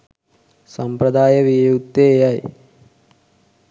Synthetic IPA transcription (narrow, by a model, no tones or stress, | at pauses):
sɐmpɾɐd̪aːjɐʋijjut̪ːeːjaj